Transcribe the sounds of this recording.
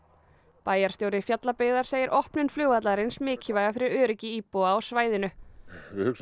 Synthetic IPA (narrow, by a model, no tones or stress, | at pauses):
paːjaɾ̥st̪jowɾɪfjat̪lapɪːɣðaɾ̥seːjɪɾʔɔhpnɪnflʏːwat̪laɾɪnsmɪːcʰɪvaːjɣafɪɾɪɾœːɾɪcɪiːpɔaawsvaːjðɪnʏɪhʏks